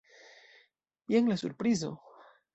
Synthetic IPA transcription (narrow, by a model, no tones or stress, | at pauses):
bjeŋlesṵɾpɾiz̬o̰